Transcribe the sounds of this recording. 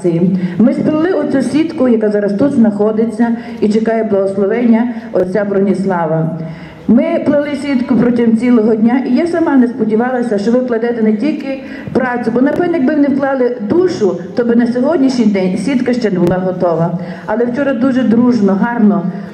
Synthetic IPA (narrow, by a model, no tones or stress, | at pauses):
t͡sʲɪjimɪspɪlˠɪʊt͡sʲusʲʋʲit̪kʊjɐkazɑɾɐst̪ut̪znɐxɔd̪ɪt͡sʲːɐ | it͡ʃekɑjɛblˠɐɦɔslˠɔʋɛnʲːɐɔt͡sʲabɾɔnʲislˠɑʋɐ | mɪplˠɐlˠɪsʲʋʲit̪kʊpɾɔtʲimt͡sʲilˠɔɦɔdʲnʲaʔijasɐmɑnɛspɔdʲiʋɑlˠɐsʲɐʃt͡ʃɔʋɪwklˠɐd̪ɛt̪ɛnetʲilʲkɪ | pɾɑt͡sʲʊbɔnɐpɛnjɐɡ̚bɪʋnɪwklˠɑlˠɪd̪uʃʊt̪ɔbɪnɐsʲɔɦɔdʲnʲiʃnʲijd̪ɛnʲsʲʋʲit̪kɐʃt͡ʃɛnɛbʊlˠɑɦɔt̪ɔʋɐ | ɐlɛwt͡ʃɔɾɐd̪uʒɛd̪ɾuʒnɔɦɑrnɔ